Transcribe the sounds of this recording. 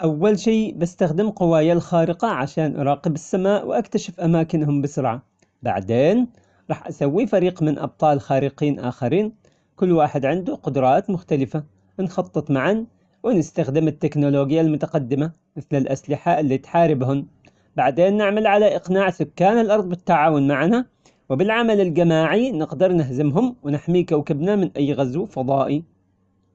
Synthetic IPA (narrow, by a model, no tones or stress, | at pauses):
ʔawːalʃiːbɪst̪axd̪ɪmqʊwaːjalxaːɾɪqɑʕaʃaːnʔɑ̰ɾˤɑːqɪbɪsːamaːʔwʔakt̪aʃɪfʔamaːkɪnɦʊmbɪsʊɾˤʕa | ba̰ʕd̪eːn | ɾˤɑːħʔasawːifaɾiːqmɪnʔɑ̰b̚t̪ˤɑːlxaːɾɪqiːnʔa̰xɪɾiːn | kʊlːwaːħɪd̪ʕɪnd̪uqʊd̪ɾˤɑːt̪mʊxt̪alɪfa | nxɑt̪ˤːɨt̪ˤmaʕan | wɪnɪst̪axd̪ɪmɪt̪ːɪknʊloːɡɪjːalmʊt̪aqɑd̪ːɪma | mɪθlɪlʔaslɪħaʔɪlːiːt̪ħaːɾɪbɦʊm | baʕd̪eːnːɪʕmalʕalaʔɪqnaːʕsʊkːaːnɪlʔɑɾˤðˤbɪt̪ːaʕaːwʊnmaʕna | wɪbɪlʕamalɪlɡamaːʕinɪqd̪ɑɾˤnɪɦzɪmɦʊmwɪnɪħmikawkɪbnamɪnʔajːɣazwfɑðˤɑːʔi